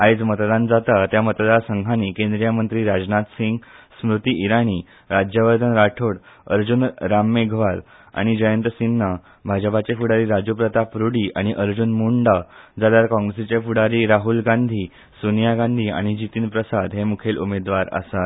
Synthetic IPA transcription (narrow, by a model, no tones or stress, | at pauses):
ajd͡zmət̪d̪and͡zat̪at̪jamət̪d̪asəŋɡʱanikẽnd̪ɾijamənt̪ɾiːɾad͡znat̪siŋɡsmɾut̪iːʔiɾaɽ̃iː | ɾad͡ʑjəʋəɾd̪ʱənɾaʈʰoɽ | əɾd͡ʑunɾamːeɡʱʋal | a̰ɽ̃id͡ʑəjənt̪əsinːə | bʱad͡ʑəpat͡ɕefuɽaɾiːɾad͡ʑupɾət̪apɾuɽiːʔaɽ̃iʔəɾd͡ʑunmuɳɖad͡zaljaɾkɔ̃ŋɡɾesit͡ɕefuɽaɾiːɾaɦulɡãnd̪ʱiː | sunjaɡãnd̪ʱiːa̰ɽ̃id͡ʑit̪iːnpɾəsad̪ɦemukʰelʔṵmed̪ʋaɾə̰sat̪